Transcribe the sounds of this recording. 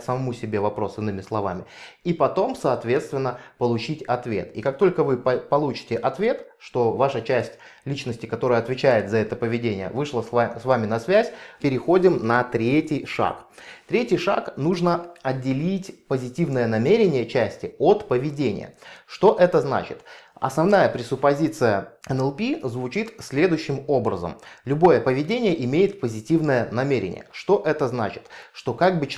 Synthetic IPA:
səmɐmusʲɪbʲe̞vɐpɾo̞sɨnːɨmʲɪslˠɐvamʲɪipɐt̪o̞msɐːt̪vʲe̞t̪st̪vʲɪnːəpəlˠʊt͡ɕitʲɐt̪vʲe̞̰t̪ikak̚t̪o̞lʲkəvɨppɐlˠut͡ɕɪ̥tʲɪʔɐt̪vʲe̞t̪ʂt̪o̞vaʂət͡ɕæsʲtʲ | lʲit͡ɕnəsʲtʲɪ̥kɐt̪o̞ɾəjəɐt̪vʲɪt͡ɕæjɪt̪zɐɛt̪əpəvʲɪdʲenʲɪjə̰vɨʂlˠəasvamʲɪnɐsvʲæzʲpʲɪɾʲɪxo̞dʲɪmnɐt̪ɾʲetʲɪjʂa̰kt̪ɾʲetʲɪjʂa̰knuʐnəɐdʲːɪlʲitʲpəzʲɪtʲivnəjənɐmʲeɾʲɪnʲɪjət͡ɕæsʲtʲɪot̪pəvʲɪdʲenʲɪ̰jə̰ʂt̪o̞ʔɛt̪əzna̰t͡ɕɪt̪ɐ̰snɐvnajəpɾʲɪsʊpːɐzʲit̪sɨjəɛnɛlˠpʲizvʊt͡ɕit̪sʲlʲe̞d̪ʊjʏɕːɪmo̞bɾə̰zə̰mlʲʊbo̞jəpəvʲɪdʲenʲɪjəʔɪmʲejɪt̪̚pəzʲɪtʲivnəjənɐmʲeɾʲɪ̰nʲɪ̰jə̰ʂt̪o̞ʔɛt̪əzna̰t͡ɕɪt̪ʂt̪o̞kaɡ̚bɨ

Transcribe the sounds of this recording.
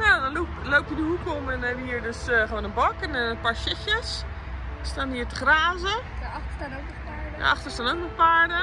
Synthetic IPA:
jadɔnloːpjədəhukomɛnɛʋəiərdøsxəʋoːnənbɔkɛnɔnənpaːɹʃɪxjəs | staniətə̥χraːzəxtəanokəpad̰ʔa̰xtəstanok̚nəpaːɹdə

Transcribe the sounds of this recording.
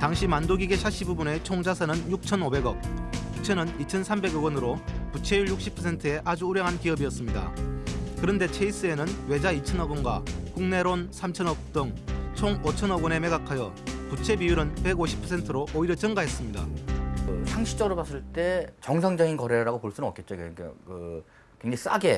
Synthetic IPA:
taŋɕʰimandoɡiɡe̞ɕʰaɕ͈ʰibubune̞t͡ɕʰoŋd͡ʑasʰanɯnjuk̚t͡ɕʰʌnobe̞ɡʌk̚put͡ɕʰe̞nɯnit͡ɕʰʌnsʰambe̞ɡʌɡʌnɯɾoput͡ɕʰe̞juɭjuk̚ɕ͈ʰi̥pʰʌsʰe̞ntʰɯe̞ʔad͡ʑuːɾjʌŋɦankiʌbiʌs͈ɯmɲida̰kɯɾʌnde̞t͡ɕʰeis͈ɯe̞nɯnwe̞d͡ʑait͡ɕʰʌnʌɡʌnɡwakuŋneɾonsʰamt͡ɕʰʌnʌk̚t͈ɯŋt͡ɕʰoŋot͡ɕʰʌnʌɡʌne̞me̞ɡakʰajʌ | put͡ɕʰe̞bijuɾɯnpe̞ɡoɕʰi̥pʰʌsʰentʰɯɾoʔːiɾjʌt͡ɕɯŋɡaɦe̞s͈ɯmɲida̰ | sʰaŋɕʰi̥t͡ɕ͈ʌɡɯɾopas͈ɯɭt͈e̞t͡ɕʌŋsʰaŋd͡ʑʌinkʌɾeɾaɡopoɭs͈unnʌk͈et̚t͡ɕ͈oka̰kɯ | kweŋd͡ʑais͈aɡe̞

